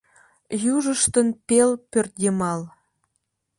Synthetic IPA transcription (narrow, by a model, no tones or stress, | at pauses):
juʒə̆ʃt̪ɤ̆npʲelpʲørdʲemɑlˠ